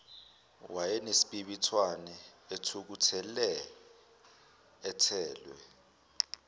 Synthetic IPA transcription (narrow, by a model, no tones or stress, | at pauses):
wajɛnesi̥ɓiɓitʰwanɛetʰuk̬utʰɛlɛ | tʰɛːlwɛ̰